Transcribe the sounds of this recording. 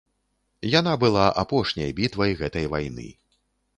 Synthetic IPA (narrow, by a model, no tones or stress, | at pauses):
janabɨlˠaʔapɔʂnʲɐ̰jbʲit̪vɐjɣɛt̪ɐjvajnɨ̰